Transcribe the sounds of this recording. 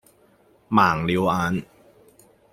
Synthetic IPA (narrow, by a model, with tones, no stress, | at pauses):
maː˨˩ŋli˧˦˥wʔaː˧˥n